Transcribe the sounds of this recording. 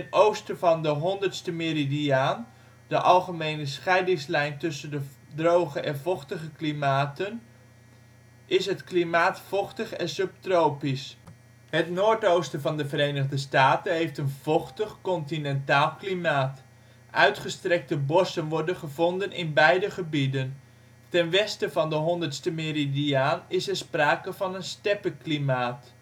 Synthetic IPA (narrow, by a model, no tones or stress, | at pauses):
ətowstəvɑndəɦɔndəɹtstəmɪɾidiaːn | d̥əʔɑlˠχəmejnəsχɛjdɪŋslɛjntɵsəndə | drowχəʔɛnvɔχtəχəklimaːtən | ʔɪsɦətklimaːtfɔχtəχɛnsøp̚trowpis | hətnoːɹtowstəvɑndəvərejnəɣdəstaːtənɦejftənv̥ɔχtəχkɔntinɛntaːlˠklimaːt | ʔœɥtχəstrɛk̚təbɔsənʋɔɹdənχəvɔndənɪnbɛjdəχəbidən | tɛnʋɛstəvɑndəɦɔndərtstəmeridiaːnɪsɛɹspraːkəvɑnənstɛpəklimaːt